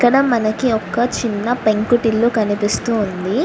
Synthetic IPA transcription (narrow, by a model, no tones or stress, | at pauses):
kːɐɽɐmɐnɐkiɔkːɐt͡ʃinːɐpeŋkuʈilːukɐnipist̪uːnd̪i